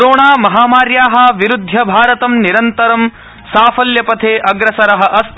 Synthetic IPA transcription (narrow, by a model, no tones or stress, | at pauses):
ɾoːɳaːmɐɦaːmaːɾjaːɦɐ̆ʋiɾud̪ʱːjɐbʱaːɾɐt̪ɐmniɾɐnt̪ɐɾɐm | saːfʰɐljɐpɐt̪ʰeːʔɐɡɾɐsɐɾɐɦɐ̆ʔɐst̪